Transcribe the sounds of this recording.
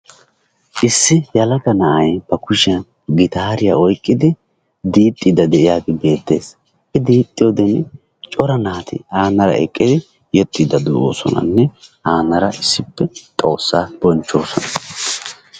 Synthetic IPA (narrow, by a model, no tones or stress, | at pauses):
ʔɪsːɪjɐlɐkɐnɐʔɐjb̥ɐkʊʃɐ | ɡɪt̪aːɾɪja̰ɔjkʼːɪd̪ɪ | d̪iːt̪ʼːid̪ɐd̪ɛʔɪjaːɡɪbe̞ːt̪ːe̞ːs | ʔɪd̪iːt̪ʼːɪjɔd̪ɛn | t͡ʃʼɔɾɐnaːt̪ɪ̰aːnɐɾɐ̰ɛ̰kʼːɪd̪ɪ | jɔt̪ʼːid̪ɐd̪uo̰ːsɔ̰nɐ̰nːɛʔaːnɐɾɐʔɪsːɪpːɛt̪ʼo̞ːsːaːb̥ɔnt͡ʃːo̞ːsɔ̰nɐ